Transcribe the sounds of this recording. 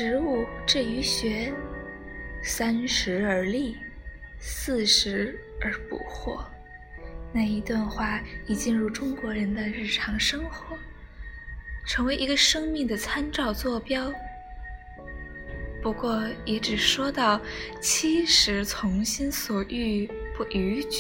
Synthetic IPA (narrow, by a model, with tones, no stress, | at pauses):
ʂɻ̩˧˥u˥˩ʈ͡ʂɻ̩˥˩y˧˥ɕɥɛ˧˥ | sa˥nʂɻ̩˧˥ə˞˧˥li˥˩ | sɹ̩˥˩ʂɻ̩˧˥ə˧˥pṵ˨˩xwɔ̰˥˩ | na˥˩ɪi˧˥t̪wa˥˧nxwa˥˩iɛ˨˩t͡ɕi˥˧nɻu˥˩ʈ͡ʂʊ˥ŋkwɔ˧˥ɻə˧˥nd̪ə˧ɻɻ̩˥˩ʈ͡ʂʰɑ˧˥ŋʂɤ˥ŋxwɔ˧˥ | ʈ͡ʂʰɤ˧˥ŋwe˧˥ɪʔi˧˥ɡə˧ʂɤ˥ŋmi˥˩ŋd̪ə˩t͡sʰa˥nʈ͡ʂɑ˥˧ʊt͡swɔ˥˩pjɑ˥ʊ | pu˧˥kwɔ˥˩jɛ˧˥ʈ͡ʂɻ̩˨˩ʂwɔ˥t̪ɑ˥˩ʊt͡ɕʰi˥ʂɻ̩˧˥t͡sʰʊ˧˥ŋɕi˥nswɔ˨˩ʔy˥˧pu˥˩ʔy˧˥t͡ɕ